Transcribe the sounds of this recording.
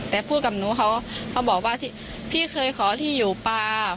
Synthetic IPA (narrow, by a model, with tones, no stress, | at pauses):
t̪ɛː˨˩pʰuː˥˩t̪̚ka˨˩p̚nuː˨˦˥kʰa˧˦˥whʰa˧˦˥wbɔː˨˩k̚waː˧˥˩t̪ʰi˧˩ | pʰiː˥˩kʰɤː˧jkʰɔː˩˦t̪ʰiː˧˩juː˨˩paː˧